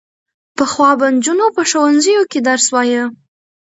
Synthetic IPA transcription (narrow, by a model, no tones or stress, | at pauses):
pəxwɑband͡ʒunopəʃowanzəjoked̪aɾswɑjə